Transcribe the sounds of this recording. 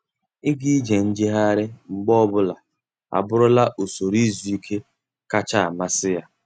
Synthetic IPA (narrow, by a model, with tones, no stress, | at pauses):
ɪ˦ɡi˦d͡ʒe˨n̩˦d͡ʒɪ˦ɦa˦ɾɪ˦ŋ͡m̩˨ɡ͡bɔ˦ɔ˦bʊ˦la˨ | a̰˨bʊ˦ɾʊ˦la˦ʔo˨so˨ɾi˦zu˨i˦kʰe˦ | ka˦t͡ʃa˦˨a˨ma˦sɪ˦ja˦